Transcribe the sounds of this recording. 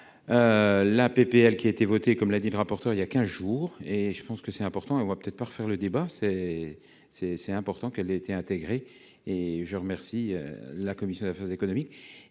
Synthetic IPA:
ølapepeɛlkʲiaet̪evɔt̪ekɔmlad̪iləʁapɔʁt̪œʁiljakʲɛ̃zʒuːʁeʒəpɑ̃skəsɛt̪ɛ̃pɔʁt̪ɑ̃eɔ̃vapø̥t̪ɛt̪χpaʁəfɛʁləd̪ebasɛ | sɛsɛt̪ɛ̃pɔʁt̪ɑ̃kɛleːt̪eɛ̃t̪eɡʁe | eʒəʁəmɛʁsiø̰lakɔmisjɔ̃d̪afɛʁzekɔnɔmik

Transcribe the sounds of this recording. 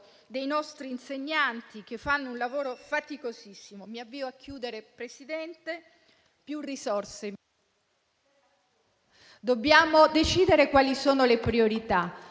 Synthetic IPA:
d̪ejnɔst̪ɾiːnseɲːant̪ikefːanːounlavoːɾofat̪ikozisːimomiavːiːoakʰːjuːd̪eɾepɾesid̪ɛnt̪e | pjurːisɔrse | d̪obːjaːmod̪et͡ʃiːd̪eɾekwaːlisoːnolepɾioɾit̪a

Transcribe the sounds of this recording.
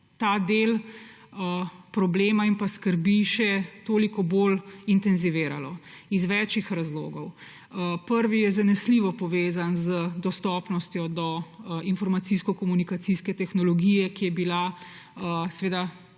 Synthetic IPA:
t̪ad̪el | əpɾɔbleːmaimpaskəɾbiʃɛt̪oːlikɔbolint̪ɛnziʋeːɾalɔ | izʋɛːt͡ʃixɾazlo̰ːɡɔw | pəɾʋijɛzanɛsliʋɔpɔʋeːzanzəd̪ɔst̪ɔpnɔst̪jɔd̪ɔinfɔɾmat̪siskɔkɔmunikat̪siskɛt̪ɛxnɔlɔɡijɛkijɛbila | əsɛʋeːd̪a

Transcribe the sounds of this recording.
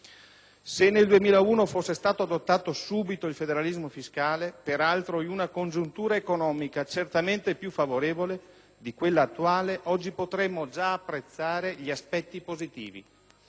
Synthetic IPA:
senːeld̪uemiːlauːnofosːest̪aːt̪oad̪ot̪ːaːt̪osuːbit̪oilfed̪eɾalizmofiskaːlepeɾalt̪ɾoiunakond͡ʒunt̪uːɾaekonɔːmikat͡ʃert̪ament̪epjufavoɾeːvole | d̪ikwelːaːt̪ːuaːleʔɔd͡ʒːipot̪ɾemːod͡ʒaːpːɾet̪sːaːɾeʎiaspɛt̪ːipozit̪ḭːvḭ

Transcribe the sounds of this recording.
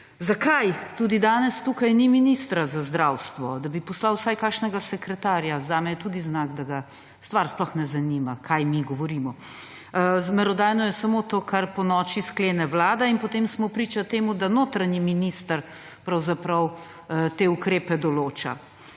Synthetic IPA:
zakajt̪ud̪id̪aːnɛst̪ukajniminist̪ɾazazd̪ɾawst̪ʋɔd̪abipɔslawsajkaːkʃnɛɡasɛkɾɛt̪aːɾjazaːmɛjɛt̪uːd̪iznaɡd̪aɡa | st̪ʋaɾsplɔxnɛzanimakʰajmiɡɔʋɔɾimɔ | zmɛɾɔd̪aːjnɔjɛsamot̪oːkʰaɾpɔnɔːt͡ʃiskleːnɛʋlaːd̪ainpɔt̪emsmɔpɾiːt͡ʃat̪eːmud̪anoːt̪ɾaɲiminist̪əɾ | pɾɐwzapɾɐw | t̪eːukɾeːpɛd̪ɔloːt͡ʃa̰

